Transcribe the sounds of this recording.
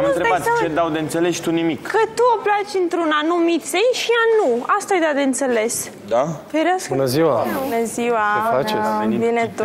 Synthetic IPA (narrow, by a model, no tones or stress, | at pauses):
amɨnɾeabat̪t͡ʃed̪awd̪eɨnt̪sele̞ʃt̪unimikkʰət̪uoplat͡ʃʲɨnt̪ɾunanumit̪sejʃianuast̪aːjd̪ad̪eɨnt̪se̞le̞s | d̪afeɾeaskbunəziwaunəziwaeplat͡ʃesbinet̪